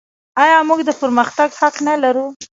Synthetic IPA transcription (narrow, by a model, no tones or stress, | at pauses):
ɑjɑmuɡd̪əpəɾməxt̪aɡhaknalaɾu